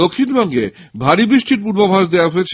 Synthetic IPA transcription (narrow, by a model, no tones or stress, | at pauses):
okʰːinbɔŋɡe | bʱaɾibɾiʃʈiɾp̬uɾbobʱaʃd̪ewaɦoet͡ɕʰ